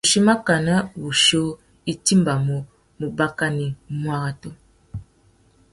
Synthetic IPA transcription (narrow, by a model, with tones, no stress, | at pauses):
u˨ʃi˦ma˦ka˨na˦βu˨ʃo˦ | i˦ti˦mba˨mɔ˨ | mu˨ba˦ka˦ni˨mwa˦ɣa˦tɔ˦